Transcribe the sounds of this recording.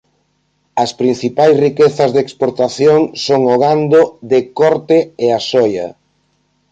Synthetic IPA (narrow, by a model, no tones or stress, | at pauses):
ɐspɾĩn̟θipajsrikeθɐzðekspoɾt̪aθjoŋsoŋoɣand̪oðekɔɾt̪ɪeasɔjɐ̰